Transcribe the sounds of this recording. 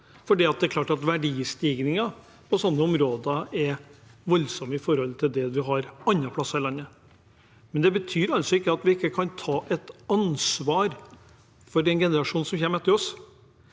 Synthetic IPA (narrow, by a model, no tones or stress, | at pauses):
fɔɖiːɑt̪̚d̪ɛɾklɑːʈɑt̪ʋæɖiːst̪iːɡnɪŋɑ | pʰɔsɔnːəɔmɾoːd̪ɑɛʋɔlːsɔməɪfɔɾhɔlt̪ʰɪld̪ɛʋɪɦɑɾɑnːɑpʰlɑsːɑɾɪlɑnːə | mɛnd̪ɛbət̪ʰyːɾɑlt̪sɔɪkːəɑt̪ʋɪɪkːəkʰɑnt̪ʰɑːʔɛt̪ɑnsʋɑːɾ | fɔɾɛnɡɛnəɾɑʂuːnsɔmçɛːmɛt̪ːəɾɔs